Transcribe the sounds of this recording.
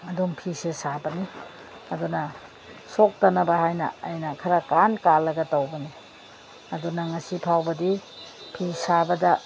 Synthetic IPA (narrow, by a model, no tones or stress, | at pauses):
ɐdumpʰisesabɐni | ɐdunɐ | sok̚tɐnɐbɐɦajnɐ̰ːjnɐkʰɐɾɐkankalːɐɡɐtɐwbɐni | ɐdunɐŋɐsipʰawbɐdipʰisabɐdɐ